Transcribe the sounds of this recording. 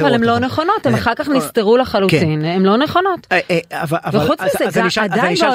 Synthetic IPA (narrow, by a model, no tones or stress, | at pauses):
valemlo̞neχo̞no̞temaχaʁkaχnist̪eʁulaχaluktinemlo̞neχo̞no̞tavaveχut͡szeɡad̪ajve